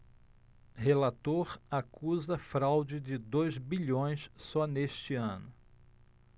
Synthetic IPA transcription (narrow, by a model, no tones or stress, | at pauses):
helat̪oɾakuzɐfɾawd͡ʒɪd͡ʒɪd̪ojzbiʎõj̃ssɔneʃt͡ʃɪɐ̃nʊ